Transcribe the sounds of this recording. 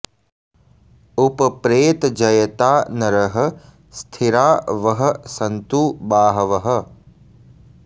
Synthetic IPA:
upɐpɾeːt̪d͡ʒɐjɐt̪aːnɐɾɐɦɐ̆ | st̪ʰiɾaːʋɐɦɐ̆sɐnt̪uːbaːɦɐʋɐɦɐ

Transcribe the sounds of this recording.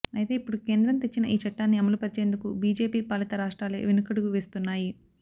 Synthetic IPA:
ɐjit̪e̞ːipːuɽuke̞ːnd̪ɾɐnt̪e̞t͡ʃːinɐʔiːt͡ʃɐʈːaːnːiɐmɐlupɐɾit͡ʃe̞ːnd̪ukubiːd͡ʒe̞ːpiːpaːlit̪ɐɾaːʂʈɾaːlḛːʋinukɐɽuɡuʋe̞ːst̪unːaːji

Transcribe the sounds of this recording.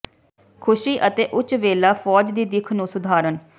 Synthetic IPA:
kʰʊʃiːʔət̪eːʔʊt͡ʃʋeːlaːfʰɔːd͡ʒd̪iːd̪ɪkʰnũːsʊd̪ʱaːɾən

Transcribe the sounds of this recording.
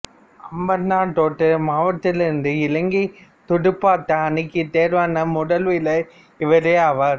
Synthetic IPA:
ɐmbɐɾnaːʈ̪oːʈːɯmaːʋɐt̪ːɪlɪndɯɪlɐŋɡit̪ʊɽɯpːaːt̪ːɐɐnɪkːɯt̪eːɾʋaːnɐmʊɽɐlʋɪlɐ | ɪʋɐɾeːaʋaːɾ

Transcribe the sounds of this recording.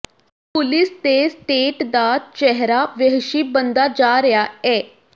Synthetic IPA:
pulist̪esʈeʈd̪at̪̚t͡ɕɛɦɾaʋəɦʃibənd̪ad͡ʑaɾjaɛ

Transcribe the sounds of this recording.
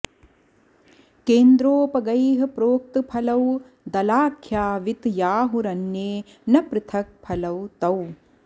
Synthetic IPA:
keːnd̪ɾoːpɐɡɐjɦɐ̆pɾoːk̚t̪ɨpʰɐlɐw | d̪ɐlaːkʰjaːʋit̪jaːɦuɾɐnːeː | nɐpɾɨt̪ʰɐk̚pʰɐlɐwt̪ɐw

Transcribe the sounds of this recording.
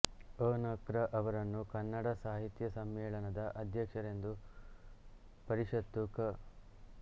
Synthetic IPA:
oːnɐkɾɐʔɐʋɐɾɐnːukɐnːɐɽɐsaːɦit̪jɐsɐmːɛːɭɐnɐd̪ɐʔɐd̪ʱjɐkʂɐɾe̞nd̪u | pɐɾiʂɐt̪ːukɐ

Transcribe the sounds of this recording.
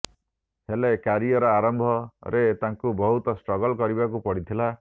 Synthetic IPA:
helekaɾiɔɾɔaɾɔmbʱɔɾet̪aŋkubɔɦut̪ɔsʈɾɔɡɔlkɔɾibakupɔɽit̪ʰila

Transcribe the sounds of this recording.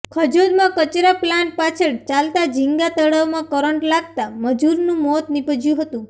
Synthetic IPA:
kʰəd͡ʒod̪mãkət͡ʃɾaplanʈ̚pat͡ʃʰeɭt͡ʃalt̪ad͡ʒiŋɡat̪əɽaʋmãkəɾəɳʈlaɡ̚t̪aməd͡ʒuɾnũmɔt̪nipəd͡ʒjũɦət̪ũ

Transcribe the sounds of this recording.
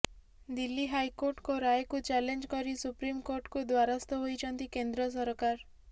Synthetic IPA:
d̪ilːiɦajkoɾʈkoɾajkut͡ʃɛlend͡ʒkɔɾisupɾimkoɾʈkud̪waɾast̪ɔɦojt͡ʃʰɔnt̪ikend̪ɾɔs̬ɔɾkaɾ

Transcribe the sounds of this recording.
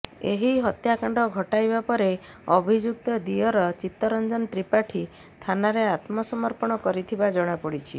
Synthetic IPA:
ḛɦiɦɔt̪jakaɳɖɔɡʱɔʈajbapɔɾe | ɔbʱid͡ʒuk̚t̪ɔd̪iɔɾɔt͡ʃit̪ːɔɾɔnd͡ʒɔnt̪ɾipaʈʰi | t̪ʰanaɾeat̪mɔsɔmɔɾpɔɽ̃ɔkɔɾit̪ʰibad͡ʒɔɽ̃apɔɽit͡ʃʰḭ

